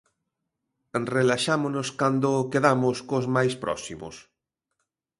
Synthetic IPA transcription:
relaʃamonoskand̪okeðamʊskozmajspɾʔɔ̰simʊ̰s

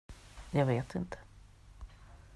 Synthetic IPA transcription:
jɑːɡveːt̪ɪnt̪ʰə̥

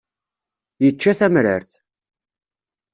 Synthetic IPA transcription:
jət͡ʃːæθæmɾə̰ɾθ

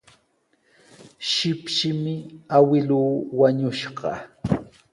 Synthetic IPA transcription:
ʃɪpʃɪmɪawɪluːwaɲʊʃɢɑ̰

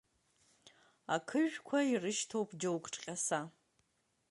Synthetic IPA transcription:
akʰɨʒᶣkʷʰairɨʃtʰowpʰd͡ʒowkʼʈ͡ʂʼqʲʼasa

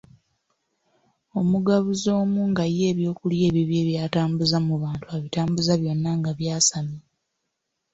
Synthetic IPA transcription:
o̞muɡaβuzo̞ːmuːŋɡaje̞ːβjo̞ːkulje̞ːβiβje̞ːβjaːtaːmbuzamuβaːntuaβitaːmbuzaβjo̞nːaŋɡaβjaːsami

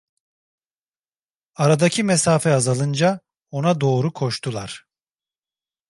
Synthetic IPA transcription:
aɾad̪acʰimesaːfɛazalˠɯnd͡ʒa | o̞nad̪o̞ːɾukʰo̞ʃt̪ʰulˠaɾ̥

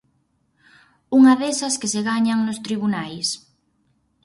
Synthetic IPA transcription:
uŋɐðesɐskɪseɣaɲaŋnʊst̪ɾiβunajs

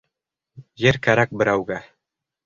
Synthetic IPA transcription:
jɘɾkæɾæk̚bɘ̆ɾæwɡæ

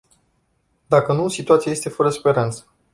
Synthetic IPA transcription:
d̪akənusit̪uat̪siaje̞st̪e̞fəɾəspe̞ɾant̪sə̥

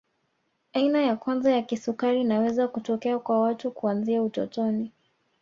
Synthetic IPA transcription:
ainajakwanzajakisukaɾinawɛzakutɔkɛakwawatukuanziautɔ̰tɔni

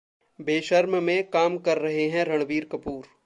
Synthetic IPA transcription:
beːʃɐɾmmẽkaːmkɐɾːɐɦeɦɛ̃ɾɐɽ̃ʋiːɾkɐpuːɾ

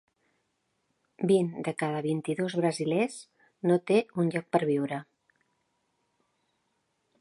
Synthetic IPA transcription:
bind̪əkað̞əβint̪iðozβɾəzilez | not̪eunʲʎɔk̚pəɾβiwɾə

